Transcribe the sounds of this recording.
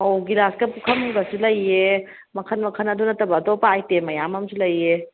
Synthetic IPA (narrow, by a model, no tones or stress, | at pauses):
oɡiɾaskɐpukʰɐmhijbɐsilɐje | mɐkʰɐnmɐkʰɐnɐdunɐtɐbɐːdopaajtemɐjamɐmsilɐje